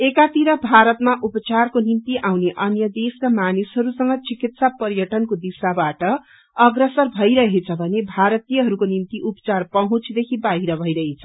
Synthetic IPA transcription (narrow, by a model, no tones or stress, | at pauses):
ekat̪iɾʌbʱaɾʌt̪maʔupʌt͡sarkonimt̪iʔawneʔʌnjʌd̪eskamanisɦʌɾusʌŋɡʌt͡sikit̪sapʌrjʌʈʌnkod̪isabaʈʌ | ʌɡrʌsʌrbʱʌjɾʌɦet͡sʰʌbʱʌnebʱaɾʌt̪ijʌɦʌɾukonimt̪iʔupʌ̥t͡sarpʌɦũt͡sʰd̪ekʰibaɦiɾʌbʱʌjɾʌɦet͡sʰʌ